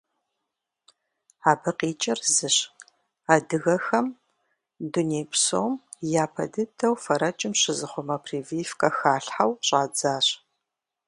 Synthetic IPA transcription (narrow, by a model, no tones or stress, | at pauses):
aːbɐqiːt͡ʃʼɪrzɨɕ | aːdɨɣɐxɐm | dunejpʰso̰wmjaːpʰɐ̰dɨdʰɐwfɐɾɐt͡ʃʼɪmɕɪzɨχʷʊmɐpʰriːvifkʼɐxaːɬħawɕʼaːd͡zaːɕ